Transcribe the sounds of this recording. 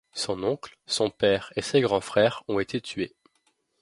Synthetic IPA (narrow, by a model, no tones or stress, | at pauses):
sɔ̃nɔ̃klsɔ̃pɛʁeseɡʁɑ̃fχɛʁɔ̃et̪ʰet̪ʰɥe